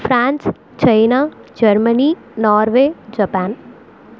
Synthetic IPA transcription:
fʰɾant͡s | t͡ʃɐjnad͡ʒəɾməni | nɔːɾʋed͡ʒəpaːn

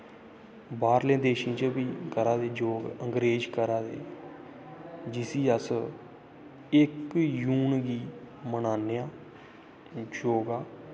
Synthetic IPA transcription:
baːɾlẽːd̪eːʃĩːt͡ʃəbiːkəɾaːd̪eːd͡ʒoːɡəŋɡɾeːd͡ʒkəɾaːd̪ḛː | d͡ʒɪsiːəs | ɪkjuːnɡiː | mənaːnejaː | d͡ʒoːɡaː

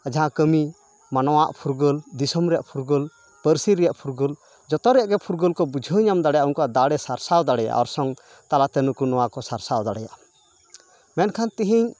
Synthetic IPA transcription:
əd͡ʒaɦãkəmi | manɔwaʔpʰuɾɡəld̪isɔmɾɛja̰ʔpʰuɾɡəl | pəɾsiɾɛjaʔpʰuɾɡəl | d͡ʒɔt̪ɔɾɛʔɡɛpʰuɾɡəlkɔbud͡ʒʱəɲamd̪aɽɛjaʔunkɔad̪aɽɛsaɾsawd̪aɽɛja̰ʔɔɾsɔŋ | t̪alat̪ɛnukunɔwakɔsaɾsawd̪aɽɛja̰ʔ | mɛnkʰant̪iɦiɲ

